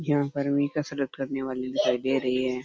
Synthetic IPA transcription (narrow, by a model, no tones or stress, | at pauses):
jɐɦãkɐɾmikasɐɾət̪kɐɾneʋaːlenɪtaːjd̪eːɾɐɦiɦɛ̃ː